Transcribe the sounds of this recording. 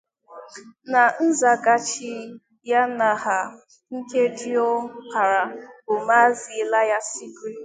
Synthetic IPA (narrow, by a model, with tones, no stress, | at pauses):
na˨n̩˦za˨ɡa˨t͡ʃi˨˦ | ja˦na˨ɦa˨ | ŋ̩˦ke˦di˦ɔ˦ka˨ɾa˨bo˨ma˦zi˨la˦ja˦si˦kɾi˦